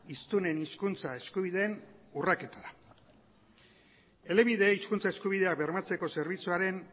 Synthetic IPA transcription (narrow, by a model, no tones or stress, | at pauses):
ist̪une̞niskunt͡sae̞skuβ̞iðe̞ːnurake̞t̪aɾa | e̞le̞βiðe̞iskunt͡sae̞skuβ̞ið̞e̞akbe̞ɾmat͡se̞ko̞se̞ɾβ̞it͡suaɾe̞n